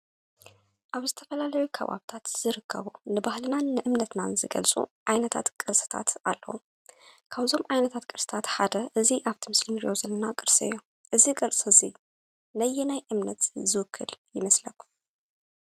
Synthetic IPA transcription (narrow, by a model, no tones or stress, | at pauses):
ʔaβzɨt̪ʰɐ̥fɐlalɐjukʰɐ̰βa̰βt̪ʰat̪z̥ɨɾɨkʰːɐ̰βunɨbahlɨnanɨʔɨmnɐt̪na̰nzɨɡɐ̰lt͡sʼṵʕajnɐt̪ʰa̰t̪kʼɨɾsʼɨ̥t̪ʰa̰t̪a̰lːɐ̰wu | kʰaβzo̞mʕajnɐt̪ʰat̪kʼɨɾsʼɨ̥t̪ʰat̪ħad̪ɐʔɨziʔaβt̪ʰimɨslimijo̞zɐlːɐnakʼɨɾsɨ̰jːo̞ | ʔɨziɡʼɐlsʼɨzi | nɐjːinajʔɨmnɐt̪zɨwɨkʰːɨljɪmɐslɐkːu̥